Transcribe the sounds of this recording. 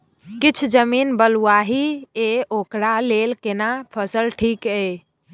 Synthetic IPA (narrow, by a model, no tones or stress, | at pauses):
kɪt͡ʃʰd͡ʒəmiːnbəluaɦieokɽaleːlkenapʰəsəlʈʰiːke